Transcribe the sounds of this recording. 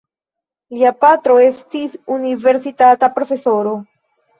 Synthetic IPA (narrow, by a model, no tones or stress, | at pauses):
liapatɾo̞e̞stisunive̞ɾsitatapɾo̞fe̞soɾo̞